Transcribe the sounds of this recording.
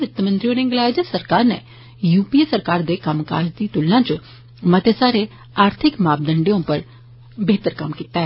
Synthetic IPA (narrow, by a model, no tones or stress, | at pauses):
ɾɪt̪ːəmə̃nt̪ɾiõːnẽŋɡlaːɪd͡ʒəsəɾkaːɾnḛ | juːpiesəɾkaːɾd̪eːkəmka̰ːd͡ʒd̪iːt̪ʊlːãːt͡ʃ | mət̪esaːɾe | aːɾt̪ʰɪkmaːb̚d̪ə̃ɳɖeõpəɾ | beːt̪əɾkɐmkiːt̪aɦɛː